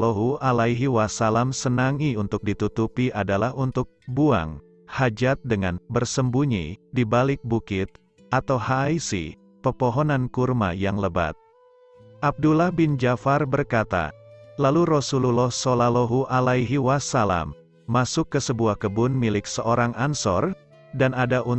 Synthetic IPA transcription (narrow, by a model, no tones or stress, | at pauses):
loɦuʔalaiɦiwasalamsənaŋiunt̪ʊk̚dit̪ut̪upiʔadalahunt̪ʊk̚bua̰ŋ | had͡ʒat̪̚dəŋanbərsəmbuɲḭdibalɪk̚bukɪt̪̚ | ʔat̪awhaisḭ | pəpoɦɔnankurma̰jaŋləba̰t̪̚ | ʔab̚dulahbɪnd͡ʒafarbərkat̪a̰laluɾosululɔhsolaloɦuʔalaiɦiwasala̰mː | asʊkːəsəbuahkəbʊnmilɪksəʔoɾaŋansɔ̰r | danadaʔu